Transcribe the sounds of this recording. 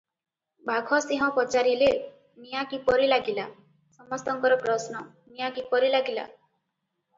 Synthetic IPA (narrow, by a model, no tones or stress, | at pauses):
bʱaɡʱɔsiɦɔ̃pɔt͡ʃaɾile | nijakipɔɾilaɡila | sɔmɔst̪ɔŋkɔɾɔpɾɔsnɔ | nijakipɔɾilaɡila̰